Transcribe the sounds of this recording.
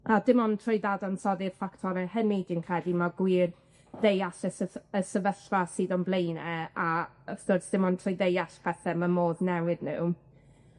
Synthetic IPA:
adɪmɔntʰrɔjðadansɔðɪrfaktʰɔɾɛhənidinkʰrɛdimaɡwiːr | dejaɬəsəəsəvəɬvasiːðɔnblˠejnɛa | əθdorsd̥ɪmɔntʰrɔjdejaɬpʰɛθɛmamoːðnɛwɪdnṵ

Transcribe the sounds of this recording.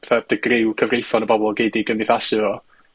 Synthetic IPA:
ɛθɛd̥əɡrɪwkʰəvrejfɔnəbɔbɔlˠɡejdɪɡənvɪθasɨvɔ

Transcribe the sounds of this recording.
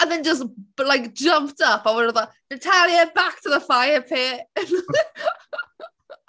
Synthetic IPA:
ə̃nðə̃nd͡ʒʌslaɪk̚d̥ʒʌ̃mp̚tʌpawə̃nəðənɪtʰaljəbak̚tʰəðəfaɪəpʰeʔn

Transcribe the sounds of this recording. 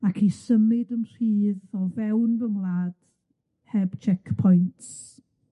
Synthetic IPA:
akʰisəmɪdəmr̥iːðɔvɛwnvəmlˠad̥ | hɛb̥t͡ʃʰɛkpʰɔjnts

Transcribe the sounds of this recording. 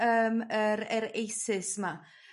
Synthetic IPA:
əːməɾɛɾejsɪsma

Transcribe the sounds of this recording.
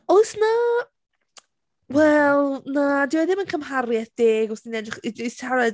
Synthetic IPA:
oɨsna | wɛlˠnadɪwɛðɪmənkʰəmɦarjɛθd̥eːɡɔsdinɛdrɪχisʰaɾɛ

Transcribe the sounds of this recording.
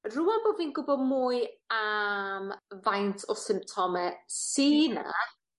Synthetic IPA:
ruanboːviːnɡʊbɔmuːɨamvajntʰɔsɪmtʰɔmɛsiːna̰

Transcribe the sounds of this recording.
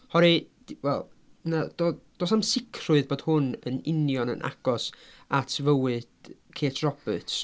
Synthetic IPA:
hɔɾi̥ | wɛlˠnad̥od̥oːsamsɪkʰrʊɨðboːd̥hʊnənɪnjɔnə̰nʔa̰ɡ̥ɔs | atʰvəwɨd̥kʰeːtʰrɔb̥ə̰ts

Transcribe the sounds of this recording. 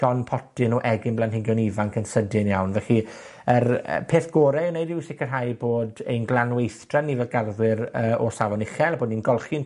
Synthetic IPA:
dɔnpʰɔtɪnɔʔɛɡɪnblˠanɦɪɡjɔnivaŋkʰənsədɨnjawnvɛɬi | ər̰pʰeːθɡ̥oːɾɛnejdɪwsɪkərɦajboːdḛjnɡlˠanwejθd̥ranːivɛlˠɡarðwɪɾəːɔsavɔnɪχɛlˠaboːdninɡɔlˠχin

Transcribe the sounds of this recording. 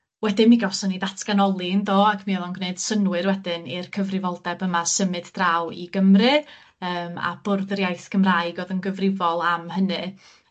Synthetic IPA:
wɛdɨnmiɡɔsɔnidatʰɡ̥anɔlˠɪndoːakʰmiɛlˠɔnɡneɨd̥sənwɨɾwɛdɨnirkʰəvrɪvɔlˠdɛbəmasəmɨd̥d̥rawḭɡəmrɨ | əːma̰b̥ʊrðəɾjajθɡəmraɨɡoðənɡəvrɪvɔlˠamɦənɨ

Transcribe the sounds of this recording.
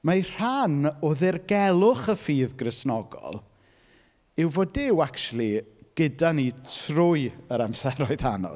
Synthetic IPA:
majr̥anɔðɪrɡɛlˠʊχəfiːðɡrɪsnɔɡɔ̰lˠ | ɪwvɔdɪwakʃulˠiɡ̥ədanitʰrʊjəɾamsɛɾɔɨðanɔ̰

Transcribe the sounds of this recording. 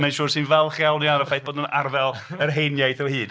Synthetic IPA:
mɛnʃuːrsɨnvɛlˠχjawˠnianəfajθb̥oːdnunarvɛlˠərɦejnjajθɔhɨːd̥

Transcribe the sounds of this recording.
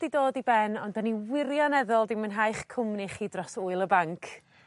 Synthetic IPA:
d̥idoːdibɛnɔndaniwɪɾjɔnɛðɔlˠdɪmənɦajχkʰʊmniχiːdrɔsʊɨlˠəbaŋkʰ

